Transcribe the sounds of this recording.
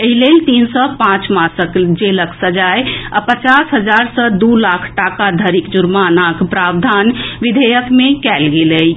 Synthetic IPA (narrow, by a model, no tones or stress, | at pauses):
eɦilelt̪insɔpãt͡ʃmasəkd͡ʒeləksəd͡ʒajəpət͡ʃasɦəd͡ʒaɾsəd̪ulakʰʈakad̪ʱəɾikd͡ʒuɾmanakpɾabd̪ʱanʋid̪ʱejəkmekɛlɡeləj